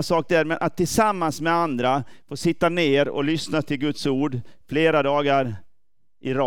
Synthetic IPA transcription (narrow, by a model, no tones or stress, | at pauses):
sɑːk̚d̪ɛɾmɛnʔat̪ʰːɪlsamːansmɛand̪ɾafoːsɪt̪ːaneːɾɔ̰lʏsnat̪ʰɪlɡɵt̪suːɖfleːɾad̪ɑːɡaɾ | ʔɪɾɑ